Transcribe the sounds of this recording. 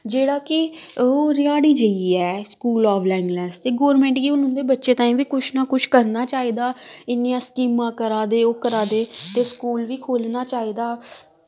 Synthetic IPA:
d͡ʒeːɽaːkɪ | oːɾɪaːɽiːd͡ʒəiːɛːskuːlɔːʋlɛːŋɡlɛːst̪eːɡɔːɾmɛ̃ːɳʈɡiːʊnʊ̃nd̪eːbətːʃeːt̪ãːĩːʋiːkʊt͡ʃʰnaːkʊt͡ʃʰkəɾnaːt͡ʃaːiːd̪aːɪnijãːskiːmãːkəɾaːd̪eːoːkəɾaːd̪eːt̪eːskuːlʋiːkʰoːlnaːt͡ʃaːiːd̪aː

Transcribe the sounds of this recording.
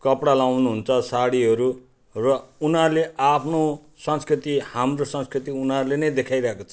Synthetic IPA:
kʌpɽalawnuɦunt͡sʰʌsaɽiɦʌɾu | rʌunaleʔapʰno | sʌ̃nskrit̪ihamrosʌ̃nskrit̪iunarlenʌjd̪ekʰajɾʌɦekot͡sʰʌ̥

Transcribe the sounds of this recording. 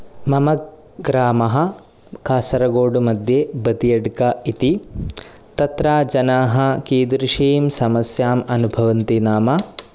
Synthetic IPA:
mɐmɐk̚ | ɡɾaːmɐɦɐ̆ | kaːsɐɾɐɡoːɖumɐd̪ʱjebɐd̪ijɐɖkɐit̪i | t̪ɐt̪ɾaːd͡ʒɐnaːɦɐ̆kiːd̪ɾiʂiːmsɐmɐsjaːmɐnubʱɐʋɐnt̪inaːmɐ

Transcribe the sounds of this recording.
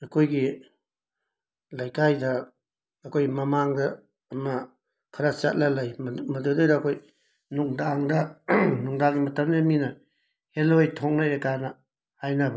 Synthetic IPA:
ɐkʰojɡi | lajkajdɐː | kʰojmɐmaŋdɐː | mɐ | kʰaɾat͡ʃa̰t̚lalajmmɐdodojdaːkʰoj | nuŋdaŋdɐnuŋdaŋɡimɐtʰɐmniminɐ | helojtʰoŋnajɾakanɐ | hajnabɐ

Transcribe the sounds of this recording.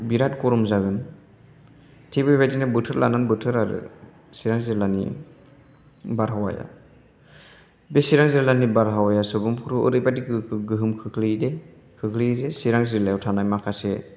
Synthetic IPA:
biɾatkɔɾɔmzaɡɯn | tʰibɯbajdinɯbɯtʰɯɾla̰nanbɯtʰɯɾaɾɯ̰ | siɾaŋziɾlanḭ | baɾɦawa̰ja̰ | besiɾaŋziɾlanibaɾɦawajasɯbɯmpʰuɾuʔɯ̰ɾɯjbadiɡɯɡɯɦɯmkʰɯkʰlide | kʰɯkʰlizesiɾaŋziɾlajawtʰanajmakʰase

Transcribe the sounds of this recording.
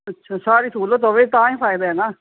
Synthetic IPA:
ətːʃʰasaːɾiːsuːloːt̪̬oːʋeːt̪ãːĩːpʰaːɪd̪aːɛːnaː

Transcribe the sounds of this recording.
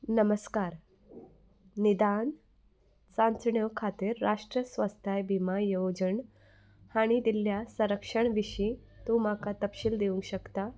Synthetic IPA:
nəməskaɾ | nid̪an | sãnt͡sɳjəwkʰat̪iːɾːaʂʈɾəsʋast̪ʰajbʱimajowd͡ʑəɳ | haɽ̃id̪ilːjasə̃ɾəkʂəɳʋiɕit̪ũmakat̪əpɕiːld̪eʋũŋkɕəkt̪a

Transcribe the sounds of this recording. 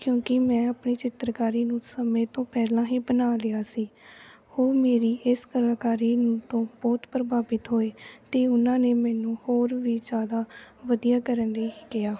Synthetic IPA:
kjõːkɪmɛ̃ːəpniːt͡ʃɪt̪ɾkaːɾiːnũːsəmẽːt̪õːpɛːlãːɦiːbənaːlɪaːsiː | hoːɾmeːɾiːʔɪskəlaːkaːɾiːnũːt̪õːbɔːt̪pɾəbʱaːbɪt̪ɦoːeːt̪eːʊnãːneːmɛːnũːhoːɾʋiːd͡ʒjaːd̪aːʋəd̪ijaːkəɾənɾeːkɪjaː

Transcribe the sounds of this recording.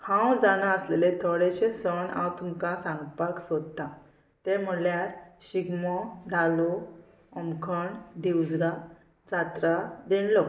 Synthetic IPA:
hãwd͡zanaəslelet̪ʰɔɽeɕẽsənã̰wt̪umkasãŋɡpaksɔd̪t̪ã | t̪em̤əljaɾɕiɡmɔd̪ʱalu | əmkʰəɳd̪iwd͡zɡa | d͡zat̪ɾad̪eɳlɔ

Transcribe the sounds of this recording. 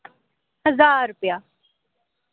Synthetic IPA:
həzaːɾʊpjaː

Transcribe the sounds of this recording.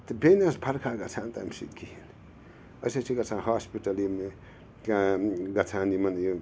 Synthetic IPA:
t̪ɐbenasbʰʱɐɾkʰaɡɐt͡sʰant̪a̰ːmsḭd̪kʰiin | ʌsɐt͡sʰiɡɐt͡sʰãnhaːspiʈɐlime | kaɡɐt͡sʰaːnimɐnju

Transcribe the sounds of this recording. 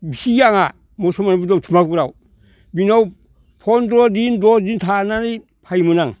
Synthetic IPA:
bisijaŋa | mosomanabudotʰumakuɾaw | binaw | pʰondɾodindodintʰanani | pʰajmunaŋ

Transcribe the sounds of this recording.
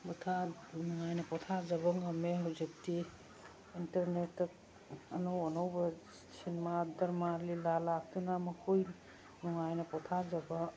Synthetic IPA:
butʰanɔŋajnɐpɔtʰazɐbɐŋɐmeɦawzik̚ti | intɐɾnetɐk̚ | ɐnowɔnowbɐ | sinmadɐɾmalilalak̚tunamɐkʰoj | nɔŋajnɐpɔtʰazɐbɐ

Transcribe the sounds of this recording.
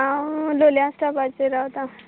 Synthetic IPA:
ãloljãsʈ̪apat͡seɾawt̪a

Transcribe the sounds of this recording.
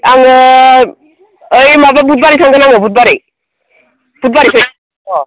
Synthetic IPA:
aŋɔ | əjmababud̚baɾitsʰaŋɡɯnaŋɔbut̚baɾij | b̥ut̚baɾisʰɯ | ɔ

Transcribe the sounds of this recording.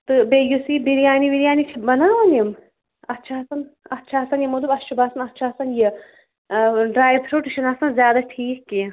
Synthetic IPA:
t̪ɨbejusiːbiɾijaːnibiɾijaːnit͡ʃʰibɐnaːʋɐnjɐm | ɐtːʃʰaɐsɐnɐtːʃʰaɐsɐnjimɐd̪ubɐt͡ʃubaːsɐnɐtːʃʰaɐsɐnji | ɖɾaːjbpʰɾoːʈiʃɐnasɐnzʲjaːd̪aʈʰiːkːi

